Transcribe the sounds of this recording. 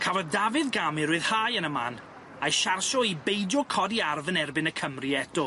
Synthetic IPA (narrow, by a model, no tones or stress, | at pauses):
kʰavɔðdavɨðɡamɪɾʊɨðhaːjənəma̰n | ajʃarʃɔibejdjɔkʰɔdiarvənɛrbɪnəkʰəmriɛdʊ